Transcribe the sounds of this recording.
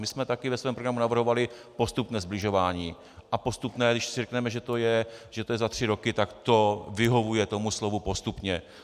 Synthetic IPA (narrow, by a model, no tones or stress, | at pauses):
mɪsmɛt̪akɪvɛsvɛːmpɾoɡɾamunavr̩ɦo̞valɪpo̞st̪upnɛːzblɪʒo̞vaːɲiː | ʔapo̞st̪upnɛːdɪʃsɪrɛknɛmɛʒɛt̪o̞jɛʒɛt̪ojɛzat̪r̝̥ɪɾo̞kɪt̪akt̪o̞vɪɦo̞vujɛt̪o̞muslo̞vupo̞st̪upɲɛ